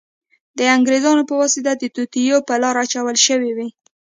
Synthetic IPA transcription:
d̪əaŋɡɾezɑnopəwɑsɪd̪ad̪ət̪ut̪ijopəlɑɾat͡ʃawəlʃəwiwi

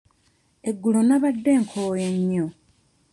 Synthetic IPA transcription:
e̞ɡːulonaβadːe̞ːŋkʰoːjeɲːo

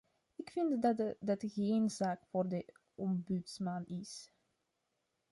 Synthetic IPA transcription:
ɪkfɪntdɑtɣeːnzaːkfoːrdə | ɔmbytsmanɪs

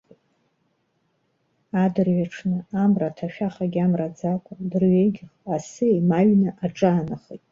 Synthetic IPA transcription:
adɨrɥaʈ͡ʂʰnɨamratʰaʃᶣaχaɡʲamrad͡zakʷʼadɨrɥeɡʲɪχasɨemaɥnɨʔaʈ͡ʂʼaːnaχijtʼ

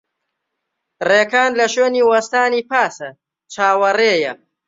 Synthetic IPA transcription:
reːkaːnlɐʃweːniːwɐst̪aːniːpaːsɐ | t͡ʃʰaːwɐreːjɐ

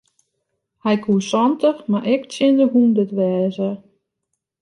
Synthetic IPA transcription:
hɛjkʰuːsɔntəxmaʔɛkt͡sjɪndəɦundətʋɛːzə

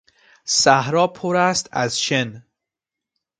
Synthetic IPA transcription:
sæhɾɒːpʰoɾæst̪æ̰zʃen

